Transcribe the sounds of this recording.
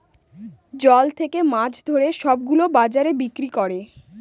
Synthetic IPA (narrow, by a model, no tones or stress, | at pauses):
d͡ʑɔlt̪ʰekemad͡ʑʰd̪ʱoɾeʃɔbɡulobad͡ʑaɾebikɾikɔɾe